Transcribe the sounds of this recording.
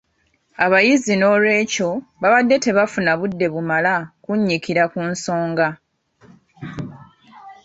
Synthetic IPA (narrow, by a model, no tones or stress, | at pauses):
aβajizino̞ːlwe̞ːco̞βaβadːe̞te̞βafunaβudːe̞βumalakuɲːikiɾakunso̞ːŋɡa